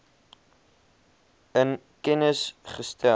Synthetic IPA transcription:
ən | kɛnəsχəstæ

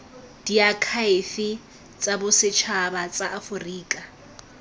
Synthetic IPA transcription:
d̥iakʰaɪfɪ | t͡sʼabʊsɪt͡ʃʰabat͡sʼaʔːfʊriːkʼa

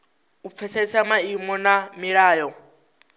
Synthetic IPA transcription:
up̪fʰɛsɛsamaimɔnamiɺaːjɔ

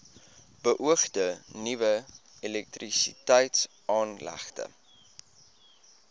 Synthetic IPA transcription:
bəʔuəχdənivəilɛk̚trisitəjts | ʔɑːnlæ̰χtə̰

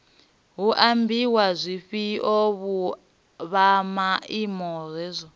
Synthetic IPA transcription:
ɦuʔambiwazʷiɸiʔoβu | βamaimɔrɛzʷɔ

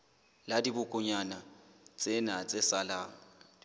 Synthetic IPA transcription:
ladibʊkʼʊɲanat͡sʼɪnat͡sʼɪsalaːŋ̩

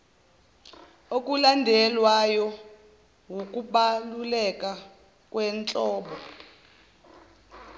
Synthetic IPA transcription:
ok̬ʼulandʱɛlwajɔ | wuk̬ʼuɓalulɛk̬ʼa | k̬ʼwɛnt͡ɬʼɔːɓɔ

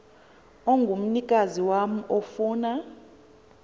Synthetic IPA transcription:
oŋɡʱum̩nikʼaziwam̩ofuːna

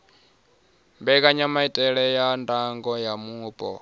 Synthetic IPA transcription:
mbɛkʼaɲamaitʼɛɺɛjandaŋɡɔjamuːbʼɔ̰

